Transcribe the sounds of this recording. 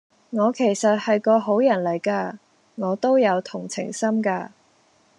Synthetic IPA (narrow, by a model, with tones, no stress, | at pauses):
ŋɔː˨˧kʰe˨˩jsɐ˨t̚hɐ˨jkɔː˧ɦo˨˥wjɐ˨˩nlɐ˨˩jkaː˧ | ŋɔː˨˧t̪o˥wjɐ˨˧wt̪ʰʊ˨˩ŋt͡sʰɪ̰˨˩ŋsɐ˥mkaː˧